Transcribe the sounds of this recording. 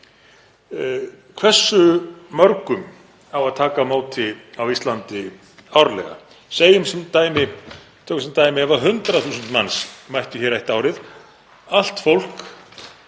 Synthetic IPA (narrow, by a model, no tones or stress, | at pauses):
kʰv̥ɛ̥sːʏmœɾkʏm | awaðt̪ʰaːkamoːwt̪ɪawist̪lant̪ɪ | awɾlɛ̰ɣa̰ | seːjʏmsɛmt̪aːjmɪ | t̪ʰœːkmsɛmt̪aːjmɪɛvaɦʏnt̪ɾaθuːsʏnt̪mansmajht̪ʏçɛɾajht̪aːwɾɪð | al̥t̪fowl̥k